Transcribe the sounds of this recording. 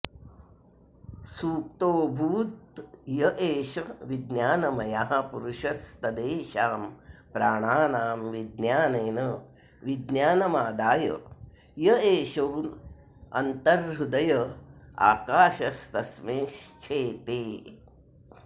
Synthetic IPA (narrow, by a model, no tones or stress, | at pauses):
suːk̚t̪oːbʱuːt̪jɐʔeːʃɐʋid̪njaːnɐmɐjaɦɐpuɾuʃɐst̪ɐd̪eːʃaːmpɾaːɳaːnaːmʋid̪njaːneːnɐ | ʋid̪njaːnɐmaːd̪aːjɐ̰ | jɐeːʃoːn | ɐ̰nt̪ɐɾɦud̪ɐjɐa̰ːkaːʃɐst̪ɐsmeːʃt͡ʃʰeːt̪eː